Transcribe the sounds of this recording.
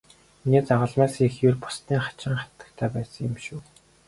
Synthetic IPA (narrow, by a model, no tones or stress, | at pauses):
iniːt͡saʁə̆ɮmaːsixjʊrpʊ̥st̪iːŋχḁt͡ɕɪ̆ŋχḁt̪ə̆kt̪ʰæːpæːsə̆ŋʊmʃuː